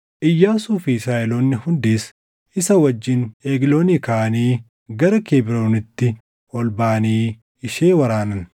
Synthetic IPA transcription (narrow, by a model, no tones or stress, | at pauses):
ʔɪjːaːsuːfɪɪsaːʔɛloːnːɪhʊnd̪eːs | ʔɪsɐwɐd͡ʒːɪneːɡɪloːnikaːniː | ɡɐɾɐkeːbɪɾoːnɪt̪ːɪ | ʔɔlbaːniː | ɪʃeːwɐɾaːnɐn